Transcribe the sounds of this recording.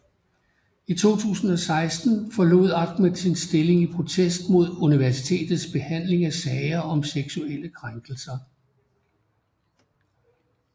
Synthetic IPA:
it͡sʰo̝̰ːt͡sʰṵːsn̩ɒ̽sɑ̈ɪsd̥n̩fɒ̽lo̝̰ðˠɑ̈ɡ̥med̥sinsd̥e̝le̝ŋipʰʁo̝t͡sʰesd̥mo̝ð̞̰ˠuniʋæɐsit͡sʰe̝̰ːd̥ð̩ˠsb̥e̝hæn̰le̝ŋæsɛɪɐɒ̽mseɡ̥suel̰əkʰʁaŋɡ̥l̩sɐ

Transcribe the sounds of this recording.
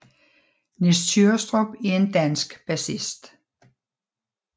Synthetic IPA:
nest͡sʰyɐsd̥ʁob̥æɐe̝nd̥ænsɡ̥b̥æsisd̥

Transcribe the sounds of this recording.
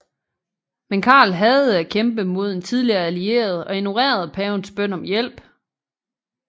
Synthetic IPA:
menkʰɑ̰̈ːlɦæð̩ˠækʰemb̥əmo̝ð̞̰ˠent͡sʰiðˠliɐːælie̝̰ːɐð̞ˠɒ̽e̝no̝ʁḛːɐð̞ˠpʰɛːʊnsb̥œn̰ɒ̽mjel̰b̥

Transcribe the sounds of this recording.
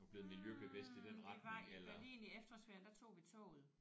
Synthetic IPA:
ɒb̥le̝ð̩ˠmiljøb̥əb̥esd̥id̥en̰ʁɑd̥ʋ̰elɐe̝ːniefd̥ɐsʋeɐ̰d̥æ̈t͡sʰo̝̰ːʋit͡sʰɔ̰ːð̩ˠ

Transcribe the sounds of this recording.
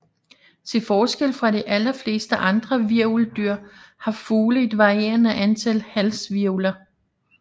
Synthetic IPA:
t͡sʰe̝lfɒːsɡ̥el̰fʁɑ̈ɾiʔælɐfle̝̰ːsd̥əʔɑ̈nd̥ʁɐʋiɐ̰uld̥yɐ̰hɑ̈fuːləe̝d̥ʋɑ̈ʁie̝̰ːɐnæʔænt͡sʰælhælsʋiɐulɐ

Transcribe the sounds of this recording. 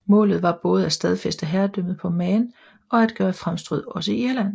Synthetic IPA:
mɔ̰ːlð̞̩ˠʋɑ̈b̥ɔ̽ːð̞̩ˠæsd̥ɛð̞ˠfesd̥əɦæɐd̥øm̰ð̩ˠpʰɒ̽mɛːn | ɒ̽æd̥ɡ̥ɶːɐfʁamsd̥ʁyðˠɒ̽səiiɐlæn̰

